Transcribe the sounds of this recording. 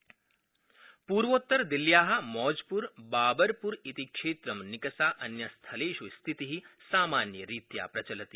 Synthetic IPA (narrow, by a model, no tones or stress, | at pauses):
puːɾʋoːt̪ːɐɾd̪iljaːɦɐ̆mɔːd͡ʒpuɾbaːbɐɾpuɾit̪ikʂeːt̪ɾɐmnikɐsaːʔɐnjɐst̪ʰɐleːʃust̪ʰit̪iɦisaːmaːnjɐɾiːt̪ja̰ːpɾɐt͡ʃɐlɐt̪iː